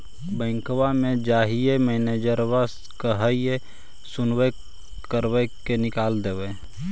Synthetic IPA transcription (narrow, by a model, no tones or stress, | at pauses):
bɛ̃ːŋkwamẽd͡ʒaːɦiemɛneːd͡ʒəɾwas | kəɦəie | sʊnwe | kəɾwekenɪkaːld̪eːwe